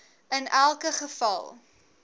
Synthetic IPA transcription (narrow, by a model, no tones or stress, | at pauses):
ənælˠkəχəfɐ̰lˠ